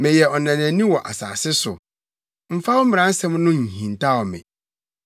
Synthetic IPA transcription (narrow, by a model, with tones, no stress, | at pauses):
mɛ̃˨jɛ˨ɔ˨nã˨næ̃˨nĩ˦wɔ˨ʔa˨sa̰ː˨sɪ˦sʊ̰˨ | m̩˨fa˦wɔ˦m̩˦mɪ̃˨ɾ̃ã˨˦n̩˦sɛ̃˦mnʊ̃˦ɲ̩˨hĩ˨n˨ta˦˨ɔ˨mɛ̰̃˨